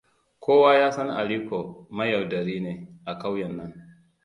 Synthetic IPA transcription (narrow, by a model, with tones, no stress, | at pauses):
kʰoː˦waː˦jaː˦sɐ˦n˦ʔa̰˨li˦ko˨ma˦ja˨wdɐ˨ɾiː˦ne˨ʔa˨ka˦wjɐ˨nːɐ˦n